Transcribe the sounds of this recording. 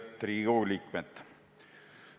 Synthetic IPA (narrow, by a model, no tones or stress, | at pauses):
t̪ɾiːɡoːlikmɛt̪ː